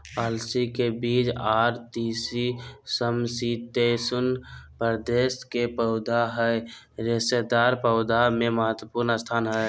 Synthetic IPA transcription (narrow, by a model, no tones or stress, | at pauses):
əlsikebiːt͡ʃaːɾt̪iːsisəmsit̪esʊnpəɾd̪eːskepəʊd̪ʱaɦəe | ɾesed̪aːɾpəʊd̪amẽməɦət̪wəpuɾnəst̪ʰaːnɦə